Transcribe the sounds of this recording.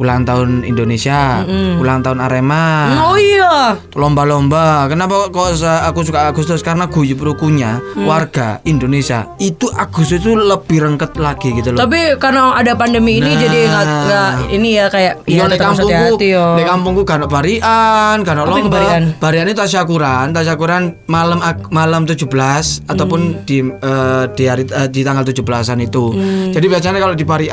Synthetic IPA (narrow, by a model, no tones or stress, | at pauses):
kulaŋt̪aʊnḭndonesiaulaŋt̪aʊnaɾemaoja | lɔmbalɔmbakənap̬akosaaɡusukaːɡust̪ʊskaɾənaɡ̥ujupɾukuɲawarɡ̥a̰indonesia̰it̪uʔaɡ̥ust̪ʊst̪uləb̥iɾəŋkət̪̚laɡ̥iɡit̪ult̪ap̬ikarnaadapandəmiːnid͡ʒadiɡaɡaʔinijakajaʔjɔnakampʊk̪unakampʊŋt̪uɡanaʔpaɾiʔanɡanɔʔlɔbaanb̥aɾianit̪ut̪aʃ̬akuɾant̪aʃ̬akuɾanmaləmamaləmt̪ud͡ʒubəlasat̪awpʊndiəːd̥iaɾiədit̪aŋɡalt̪ud͡ʒubəlasanit̪ud͡ʒadibiat͡ʃanakalodipaɾi